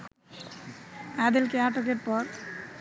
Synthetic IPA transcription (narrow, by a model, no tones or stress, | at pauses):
ad̪elkeaʈokeɾpɔɾ